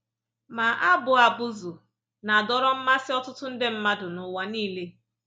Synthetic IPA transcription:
ma˨ʔa˦bʊ˨a˨bʊ˦zʊ˨ | na˨dɔ˦ɾɔ˦m̩˦ma˦sɪ˦ɔ˦tʊ˦tʊ˦n̩˦dɪ˦m̩˦ma˦dʊ˨nʊ˨wa˦niː˦le˦

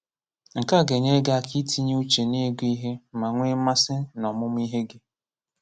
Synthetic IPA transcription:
ŋ̩˨ka˦˨ɡe˨ɲe˦ɡa˦a˦˨kʰi˦tʰi˦ɲ˦u˦t͡ʃe˨ne˦ɡi˦ɦe˦ma˨ŋʷe˦ma˦sɪ˦nɔ˨mʊ˦m˦i˦ɦe˦ɡɪ˦

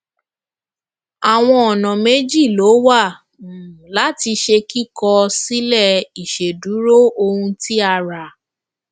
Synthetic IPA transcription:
a˨w̃ɔ̃˧ɔ˨nɔ̃˨me˦d͡ʒi˦˨lo˨˦wa˦˨ | la˨˦ti˧ʃe˧ki˦kɔ˧si˦lɛ˦˨i˨ʃe˨du˨˦ɾo˦o˧hũ˧ti˦a˧ɾa˨

